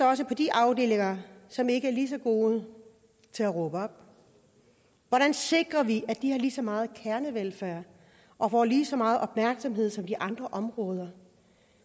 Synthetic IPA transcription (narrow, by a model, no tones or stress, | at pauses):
ɒ̽s̬əpʰɒ̽d̥iʔɑ̈ʊd̥e̝̰ːleŋɐsɒ̽me̝ɡ̥əæɐliːs̬ɒ̽ɡ̥o̝ːð̩ˠ | t͡sʰe̝læʁɔ̽ːb̥əɒ̽b̥̚ | ʋɒɾ̥ænse̝ɡ̥ʁɐʋiʔæd̥ihɑ̈liːsɒ̽mɑ̈ːð̞̩ˠkʰæɐnəʋelfæɐ̰ | ʔɒ̽fɒ̰ːliːsɒ̽mɑ̈ːð̩ˠʔɒ̽b̥mæɐɡ̥sɒ̽mɦe̝ð̞̰ˠsɒ̽md̥iʔɑ̈nd̥ʁɐʔɒ̽mʁɔːð̞ˠɐ